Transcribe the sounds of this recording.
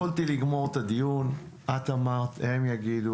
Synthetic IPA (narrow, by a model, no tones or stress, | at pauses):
olt̪iliɡmo̞ʁt̪ad̪ijun | ʔat̪amaʁt̪emjaɡid̪u